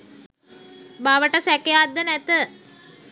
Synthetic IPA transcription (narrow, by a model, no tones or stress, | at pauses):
baʋəʈəsɛkejad̪ːənæt̪ə